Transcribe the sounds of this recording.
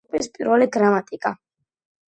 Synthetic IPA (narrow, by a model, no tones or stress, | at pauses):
pʼispʼiɾvɛliɡɾamat̪ʼikʼa